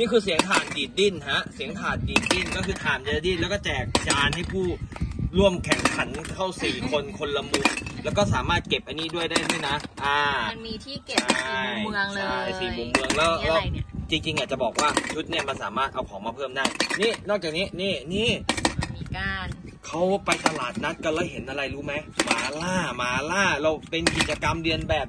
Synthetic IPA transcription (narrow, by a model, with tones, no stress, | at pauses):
niː˥˩kʰɯː˧si˩˦əŋt̪ʰaː˨˦ndiː˨˩t̪̚di˥˩nha˦˥ʔsi˨˩˦əŋt̪ʰaː˨˩t̪̚diː˨˩t̪̚di˥˩nkɔː˥˩kʰɯː˧t̪ʰaː˨˩nddiː˥˩nlɛː˦˥wkɔː˥˩t͡ɕɛː˨˩k̚t͡ɕaː˧nɦa˥˩jpʰuː˥˩ɾu˥˩əmkʰɛ˨˩ŋkʰa˩˦nkʰa˥˩wsiː˨˩kʰo˧nkʰo˧nla˧mu˨˩k̚lɛː˦˥wkɔː˥˩saː˩˦maː˥˩t̪̚ke˨˩p̚ʔa˧niː˦˥du˥˩əjdaː˥˩jdɯː˥˩˨jna˦˥ʔʔaː˧˩˧miː˧t̪ʰiː˥˩kt͡ɕʰa˥˩˥jm˧əŋː˦˧˥ʔa˧jsiː˨˩mu˨˩mːɯ˧əŋlɛː˦˥wlɛː˦˥wt͡ɕi˧ŋt͡ɕi˧ŋʔaː˨˩t͡ɕa˨˩bɔː˨˩k̚waː˥˩t͡ɕʰu˦˥t̪̚ni˥˩ɐma˧nsaː˩˦maː˥˩t̪̚ʔa˧wkʰɔː˩˦ŋmaː˧pʰɤː˥˩˨mdaː˥˩jniː˥˩nɔː˥˩k̚t͡ɕaː˨˩niː˦˥niː˥˩niː˥˩iː˧˩kaː˧n | kʰa˦˥wpa˧jt̪ʰa˧laː˨˩t̪̚na˦˥t̪̚ka˧˩lɔː˧˥˩ɦe˩˦nʔa˧ɾa˧jɾuː˦˥ma˦˥jmaː˩˦laː˥˩maː˨˩˦laː˥˩ɾa˧˩wpe˧nki˨˩t̪̚t͡ɕa˧ka˧mdɯ˧ənbɛː˨˩p̚